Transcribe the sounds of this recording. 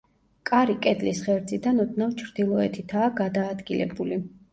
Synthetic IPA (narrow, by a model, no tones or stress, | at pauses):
kʼaɾikʼɛd̪lisχɛɾd̪zid̪anɔd̪̚namt͡ʃʰɾd̪̥ilˠɔɛt̪ʰit̪ʰaːɡad̪aːd̪ɡilɛ̰buli